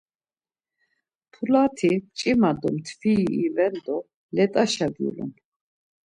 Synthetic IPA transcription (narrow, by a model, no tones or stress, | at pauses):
pʰulat̪ʰit͡ʃʼimad̪ɔmt̪ʰviivɛnd̪ɔ | lɛt̪ʼaʃadjṵlṵm